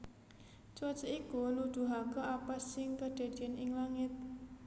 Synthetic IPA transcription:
t͡ʃɔt͡ʃəikulud̪̥ṳɦakɔʔapasɪŋkəɖ̪̥e̤d̪̥iɛnɪŋlaŋɪt̪̚

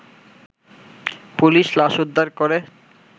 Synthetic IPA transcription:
puliʃlaʃud̪ʱːaɾkoɾe

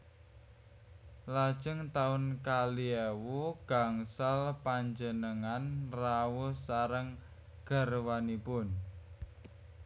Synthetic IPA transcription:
lad̥ʒ̥əŋt̪aʊnkaliewuɡ̥a̤ŋsalpaɲd͡ʒənəŋanrawusaɾəŋ | ɡ̥ə̤rwanipʊn

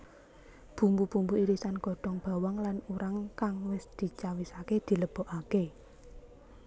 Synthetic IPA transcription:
b̥ṳmbub̥ṳmbuiɾisanɡɔ̤ɖ̥ɔŋb̥a̤wɔŋlanuɾaŋkaŋwɪsd̪̥i̤t͡ʃawisaked̪̥i̤ləb̥ɔ̤ʔake

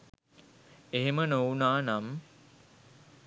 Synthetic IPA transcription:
eɦemənounaːnam

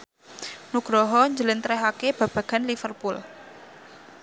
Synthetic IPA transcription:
nuɡ̥ɾɔɦɔɲd͡ʒələnt̪ɾɛɦakeb̥a̤b̥a̤ɡ̥anlifərpul

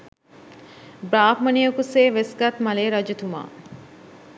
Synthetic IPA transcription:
bɾaːpmɐniɐkuseːʋesɡɐt̪mɐleːɾɐd͡ʒet̪uma̰ː

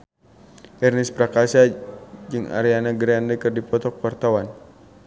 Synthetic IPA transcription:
ʔɛrnispɾakasad͡ʒɨŋa̰ɾianaɡɾiandəkɨrdipɔt̪ɔk̚wart̪awan

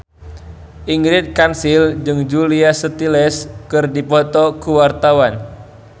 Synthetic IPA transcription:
ʔiŋɡɾɪt̪̚kansild͡ʒɨŋd͡ʒuliasət̪ilɛskɨrdipɔt̪ɔkuwart̪awan

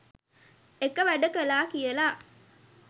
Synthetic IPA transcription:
ekəʋæɖəkəlaːkijəlaː

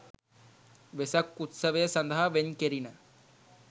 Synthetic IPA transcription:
ʋesɐkːut̪səʋejəsɐnd̪ɐɦaʋeɲkeɾina

